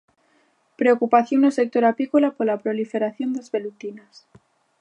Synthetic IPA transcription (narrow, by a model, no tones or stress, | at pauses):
pɾeokupaθjonose̞k̚t̪o̞ɾapikolapoɾlapɾo̞life̞ɾaθjo̞nd̪ezβe̞lut̪inas